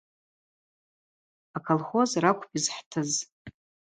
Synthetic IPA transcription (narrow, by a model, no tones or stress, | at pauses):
akʰolχo̞zrakʷʼʰpʰizħtʰɨz